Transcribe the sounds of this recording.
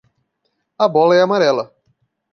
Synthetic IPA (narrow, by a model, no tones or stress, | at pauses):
ɐbɔlɐɛamaɾɛlɐ